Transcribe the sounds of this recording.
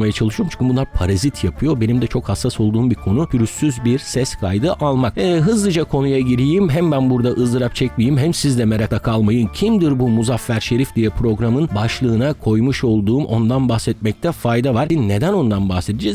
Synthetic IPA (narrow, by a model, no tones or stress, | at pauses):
majat͡ʃʰalˠɯʃɯoɾmt͡ʃʰy̥ɲkːmbunlˠaɾpʰaɾazit̪ʰjapʰɯjo̞be̞nimd̪ɛt͡ʃʰo̞khasːaso̞lˠd̪uːmbiɾkʰo̞nupʰyɾysːyzbiɾsɛskʰajd̪ɯʔalˠmak̚ɛːɦɯzlˠɯd͡ʒakʰo̞nujaɟiɾijimɦæmbænbuɾd̪aʔɯzlˠɯɾap̚t͡ʃʰɛc̚mijimɦæmsizd̪ɛmeɾak̪akʰalˠmajɯncʰimd̪iɾbumuzafːæɾʃe̞ɾifd̪ijɛpɾo̞ɡɾamɯnbaʃlˠɯːnakʰo̞jmuʃo̞lˠd̪uːmʔo̞nd̪anbahsɛt̪̚mɛc̚t̪ʰɛfajd̪avaɾine̞d̪æno̞nd̪anbahsed̪id͡ʒɛz